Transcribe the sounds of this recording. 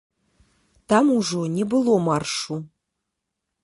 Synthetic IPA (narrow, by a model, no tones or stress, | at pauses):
t̪amuʐonʲɛbɨlˠomɑrʂu